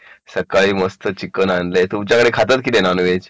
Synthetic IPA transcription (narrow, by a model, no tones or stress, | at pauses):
səkaɭiːməst̪ʰət͡ɕikənanlet̪umt͡ɕjakəɽekʰat̪ət̪̚kit̪enanuʋed͡ʑ